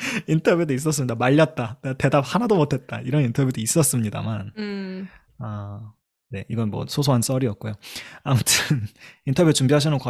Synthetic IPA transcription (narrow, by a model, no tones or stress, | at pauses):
intʰʌbjudois͈ʌs͈ɯmɲidamaʎːʌt̚t͈anete̞dap̚hanadomotʰe̞t̚t͈a̰iɾʌnintʰʌbjudois͈ʌs͈ɯmɲida̰man | a | ne̞iɡʌnmwʌ̰sʰosʰoɦans͈ʌɾiʌt̚k̚k͈ojoamutʰɯnintʰʌbjut͡ɕumbiɦaɕʰinɯnkwa